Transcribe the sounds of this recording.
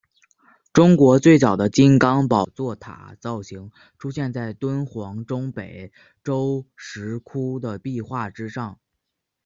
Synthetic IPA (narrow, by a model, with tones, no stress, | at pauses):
ʈ͡ʂʊ˥ŋkwɔ˧˥t͡swe˥˩ɪt͡sɑ˨˩d̪ə˦t͡ɕi˥nkɑ˥ŋpɑ˨˩ʊt͡swɔ˥˩t̪ʰa̰˨˩t͡sɑ˥˩ʊɕi˧˥ŋ | ʈ͡ʂʰu˥ɕjɛ˥˧nt͡sa˥˩ɪt̪wə˥nxwɑ˧˥ŋʈ͡ʂʊ˥ŋpe˨˩ɪ | ʈ͡ʂo˥ʊʂɻ̩˧˥kʰu˥d̪ə˨pi˥˧xwa˥˩ʈ͡ʂɻ̩˥ʂɑ˥˩ŋ